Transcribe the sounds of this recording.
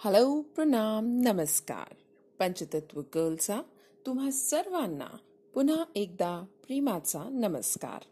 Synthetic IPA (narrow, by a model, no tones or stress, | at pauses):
həlowpɾənamnəməska̰ːɾ | pə̃ɲt͡ɕət̪ət̪ʋəkəːlt͡sa | t̪um̤ɦasəɾʋanːa̰ | pun̤aek̚d̪apɾiːmat͡sanəmə̰ska̰ːɾ